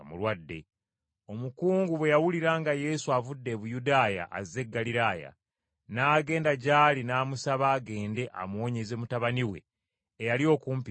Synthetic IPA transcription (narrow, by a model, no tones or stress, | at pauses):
mṵlwadːe̞̰ | o̞mukuːŋɡuβwe̞jawuliɾaːŋɡaje̞suavudːe̞βujudaːja̰ʔːzːe̞ɡːaliɾaːja̰ | naːɡe̞ːndaɟaːlinaːmusaβaːɡe̞ːnde̞ʔa̰mwo̞ːɲe̞ze̞mutaβaniwe̞̰ː | jalio̞kuːmpi